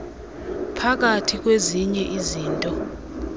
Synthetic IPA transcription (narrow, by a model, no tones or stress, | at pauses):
pʰak̬atʰik̬ʼweziɲɛʔiziːntʼɔ